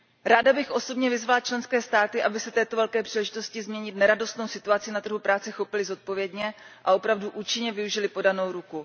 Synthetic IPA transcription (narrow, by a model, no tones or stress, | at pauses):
ɾaːdabɪxʔo̞so̞bɲɛvɪzvalat͡ʃlɛnskɛːst̪aːt̪ɪʔabɪsɛt̪ɛːt̪o̞vɛlkɛːpr̥iːlɛʒɪt̪o̞scɪzmɲɛɲɪt̪nɛɾado̞st̪nowsɪt̪uat͡sɪnat̪r̩ɦupɾaːt͡sɛxo̞pɪlɪzo̞t̪̚po̞vjɛdɲɛ | ʔao̞pɾavduʔuːt͡ʃɪɲɛvɪuʒɪlɪpo̞dano̞wɾuku